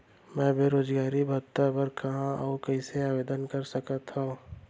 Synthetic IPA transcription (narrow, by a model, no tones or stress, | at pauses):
mɛ̃beːɾoːd͡ʒɡaːɾibʱɐt̪ːabəɾkɐɦãʔɔːkɐɪseaːʋeːd̪ənkəɾsəkət̪ɦõː